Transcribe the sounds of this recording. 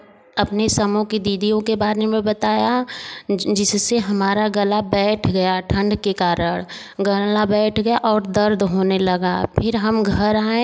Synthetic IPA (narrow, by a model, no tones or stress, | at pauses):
ɐpnesɐmõkid̪iːd̪ijõkebaːɾemẽbɐt̪aːja | d͡ʒɪsseɦɐmaːɾaɡɐlabɛːʈʰɡɐjaʈʰə̃ɳɖkekaːɾəɽ̃ | ɡəlabɛːʈʰɡɐjaʔɔːɾd̪ɐɾd̪ʱɦoːnelɐɡa̰pʰɪɾɦɐmɡʱɐɾaːẽ